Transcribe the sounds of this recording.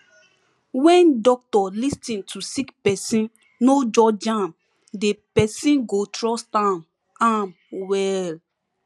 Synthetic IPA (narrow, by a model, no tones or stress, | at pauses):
wɛ̃ndɔk̚tɔlistĩntʰusikpɛsĩn | nod͡ʒɔd͡ʒãm | depɛsĩnɡotɹɔstãm | am | wɛl